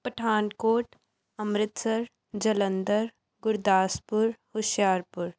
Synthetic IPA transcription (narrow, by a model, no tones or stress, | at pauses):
pəʈʰaːnkoːʈ | ɐmɾɪt̪səɾ | d͡ʒɐlə̃nd̪əɾ | ɡʊɾd̪aːspʊɾhʊʃjaːɾpʊɾ